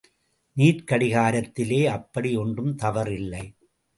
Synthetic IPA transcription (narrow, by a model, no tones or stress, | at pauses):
niːɾkɐɽɪɣaːɾɐt̪ːɪleːɐpːɐɽijɔndrɯmt̪ɐʋɐɾɪlːɐɪ